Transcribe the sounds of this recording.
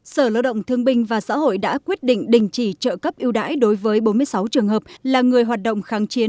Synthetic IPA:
səː˧˩la̰ː˧˨wɗə̰˧˨wŋ͡mt̪ʰɨ˧əŋɓï˧ŋ̟vaː˨˩sa̰ː˧˥ɦo̰˧˨jɗa̰ː˧˥kwi˦˥ət̚ɗḭ̈˧˨ŋ̟ɗï˨˩ŋ̟t͡ɕi˧˩t͡ɕə̰ː˧˨kə˦˥p̚ʔi˧əwɗa̰ː˧˥jɗo˨˦jvəː˨˦jɓo˨˦nmɨ˧əjsa˨˦wt͡ɕɨ˨˩əŋɦəː˨˩p̚laː˨˩ŋɨ˨˩əjɦwaː˨˩t̚ɗə̰˧˨wŋ͡mxaː˨˦ŋt͡ɕi˨˦ən

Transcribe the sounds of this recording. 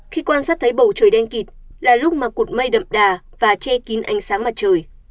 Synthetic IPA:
xi˧kwaː˧nsaː˦˥t̪ʰjɓə˧˩wt͡ɕəː˨˩jɗɛ˧nki˨˩t̚laː˨˩lʊ˦˥k͡p̚maː˨˩ku˨˩t̚mə˧jɗə̰˧˨mɗaː˨˩ | vaː˨˩t͡ɕɛ˧ki˨˦nʔa˨˦jŋ̟saː˨˦ŋmaː˨˩t̚t͡ɕəː˨˩j

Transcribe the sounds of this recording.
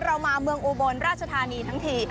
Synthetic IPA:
ɾa˧wmaː˧mɯ˧əŋʔuː˧bo˧nɾaː˥˩t̪̚t͡ɕa˧t̪ʰaː˧niː˧t̪ʰa˦˥ŋt̪ʰiː˧˩

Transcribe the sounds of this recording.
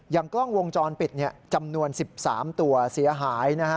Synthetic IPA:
jaː˨˩ŋklɔ˥˩ŋwo˧ŋt͡ɕɔː˧npi˨˩t̪̚ni˥˩ɐt͡ɕa˧mnu˧ənsi˨˩p̚saː˩˦mt̪u˧ɐsi˩˦ɐɦaː˩˦jna˦˥kʰa˦˥

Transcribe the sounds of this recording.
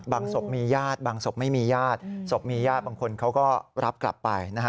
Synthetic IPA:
baː˧ŋso˨˩p̚miː˧jaː˥˩t̪̚baː˧ŋso˨˩p̚ma˥˩jmiː˧jaː˥˩t̪̚so˨˩p̚miː˧jaː˥˩t̪̚baː˧ŋkʰo˧nkʰa˦˥wkɔː˥˩ɾa˦˥p̚kla̰˨˩pːa˧jna˦˥kʰa˦˥

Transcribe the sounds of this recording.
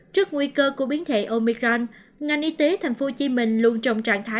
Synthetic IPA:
t͡ɕɨ˦˥ək̚ŋwi˧kəː˧ku˧˩əɓi˨˦ənt̪ʰwḛ˧˨ʔo˧mi˧ɣaː˧n | ŋa˨˩jŋʔi˧t̪e˨˦t̪ʰa˨˩jŋ̟fo˨˦t͡ɕi˧˦mï˨˩ŋ̟lu˧ənt͡ɕɔ˨˧˩wŋ͡mt͡ɕa̰ː˧˨ŋt̪ʰaː˨˦

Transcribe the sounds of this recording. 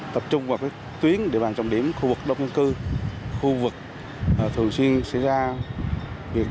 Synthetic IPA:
t̪ə˨˩p̚t͡ɕʊ˧ŋ͡mvaː˨˩wkaː˨˦j | t̪wi˨˦ənɗe˧˩ɓaː˨˩nt͡ɕɔ˨˩ŋ͡mɗi˧˩əmxu˧vɨ˨˩k̚ɗə˧wŋ͡mɲɨ˧nkɨ˧xu˧vɨ˨˩k̚ː | t̪ʰɨ˨˩əŋswi˧ənsa̰˧˥jzaː˧ | vi˨˩ə

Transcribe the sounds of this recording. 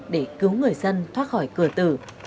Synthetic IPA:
ɗe˧˩kɨ˨˦wŋɨ˨˩əjzə˧nt̪ʰwaː˦˥t̚xɔ˧˩jkɨ˧˩ət̪ɨ̰˧˩

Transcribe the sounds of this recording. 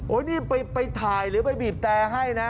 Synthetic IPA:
ʔoː˨˦˥niː˥˩pa˧jpa˧jt̪ʰaː˨˩jɾɯː˨˦˥pa˧jbiː˨˩p̚t̪ɛː˧ɦa˥˩jna˦˥

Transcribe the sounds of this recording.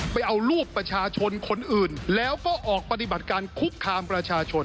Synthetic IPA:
pa˧jʔa˧wɾuː˥˩pːɾa˧t͡ɕʰaː˧t͡ɕʰo˧nkʰo˧nʔɯː˨˩nlɛː˦˥wkɔː˥˩ʔɔː˨˩k̚pa˧t̪̬i˨˩ba˨˩t̪̚kaː˧nkʰu˦˥kʰːaː˧mpɾa˧t͡ɕʰaː˧t͡ɕʰo˧

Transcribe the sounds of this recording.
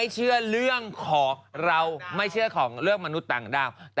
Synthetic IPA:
jt͡ɕʰɯ˥˩əɾɯ˥˩əŋkʰɔː˩˦ŋɾa˧wma˥˩jt͡ɕʰɯ˥˩ɐkʰɔː˩˦ŋɾɯ˥˩əŋma˧nu˦˥t̪ːaː˨˩ŋdaː˧˥˩wt̪ː

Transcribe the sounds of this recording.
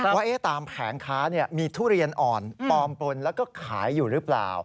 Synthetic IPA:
waː˥˩ʔeː˦˥˩t̪aː˧mpʰɛː˩˦ŋkʰaː˦˥ni˥˩ɐmiː˧t̪ʰuː˥˩ɾi˧ənʔɔː˨˩np̪ɔː˧mpo˧nlɛː˦˥wkɔː˥˩kʰaː˩˦jːuː˨˩ɾɯ˦˥pla̰ː˨˩w

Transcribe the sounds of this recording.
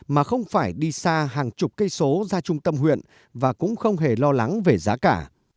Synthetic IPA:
maː˨˩xə˧wŋ͡mfaː˧˩jɗi˧saː˧ɦaː˨˩ŋt͡ɕʊ˨˩k͡p̚kə˧jso˨˦zaː˧t͡ɕʊ˧ŋ͡mt̪ə˧mɦwḭ˧˨ən | vaː˨˩kʊ̰˧˥ŋ͡mxə˧wŋ͡mɦe˧˩lɔ˧la˨˦ŋve˨˩zaː˨˦kaː˧˩

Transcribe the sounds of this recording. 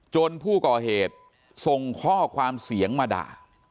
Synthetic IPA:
t͡ɕo˧npʰuː˥˩kɔː˨˩ɦeː˨˩t̪̚ | so˨˧ŋkʰɔː˥˩kʰwaː˧msi˨˩˦əŋmaː˧da̰ː˨˩k̚

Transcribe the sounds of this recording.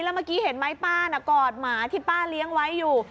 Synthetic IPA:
lɛː˦˥maː˧˥˩kiː˦˥he˨˩˦nma˦˥jpaː˥˩na˧˩kɔː˨˩t̪̚maː˩˦t̪ʰiː˥˩paː˥˩nli˦˥əŋwa˦˥jːuː˨˩

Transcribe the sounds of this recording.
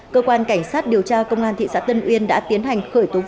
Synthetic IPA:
kəː˧kwaː˧nka˧˩jŋ̟saː˦˥t̚ɗi˨˩əwt͡ɕaː˧kə˧wŋ͡mʔaː˧nt̪ʰḭ˧˨sa̰ː˧˥t̪ə˧nʔwi˧ənɗa̰ː˧˥t̪i˨˦ənɦa˨˩jŋ̟xəː˧˩jt̪o˨˦

